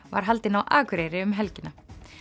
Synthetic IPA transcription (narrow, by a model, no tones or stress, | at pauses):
va̰ɾ̥ɦalt̪ɪnawʔaːkʰʏɾeːjɾɪʏmɦɛlcɪnːa